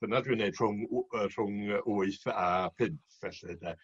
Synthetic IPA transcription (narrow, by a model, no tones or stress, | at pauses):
b̥ənadwineɨd̥r̥ʊŋər̥ʊŋəʔʊːɨθapʰɪnθvɛɬɨdə